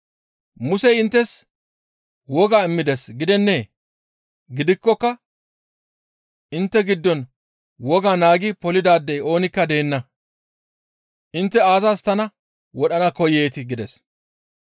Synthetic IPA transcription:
mʊsɛjɪnt̪ːɛs | wɔɡaːɪmːɪd̪ɛsɡɪd̪ɛnːeː | ɡɪd̪ɪkːɔkːɐ | ʔɪnt̪ːɛɡɪd̪ːɔn | wɔɡaːnaːɡɪpɔlɪd̪aːd̪ːɛjo̞ːnɪkːɐd̪e̞ːnːɐ | ʔɪnt̪ːɛaːzast̪ɐnɐ | wɔɗɐnɐkɔjeːt̪ɪɡɪd̪ɛs

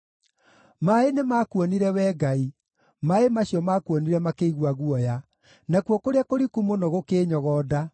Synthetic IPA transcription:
maenemakwɔniɾɛwɛːɡai | maemaɕjɔmaːkwɔniɾɛmakeiɣwaɣuɔja | nakwɔkoɾeakoɾikumonɔɣokeːɲɔɣɔːda

